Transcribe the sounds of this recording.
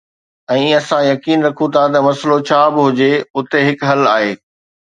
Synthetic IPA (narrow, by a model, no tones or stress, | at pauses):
ɛ̃ːɐsãjɐkiːnɾɐkʰũt̪ʰat̪ɐmɐslot͡ɕʰaːbɪɦʊd͡ʑeʊt̪eɦɪkɦɐlaːɦeː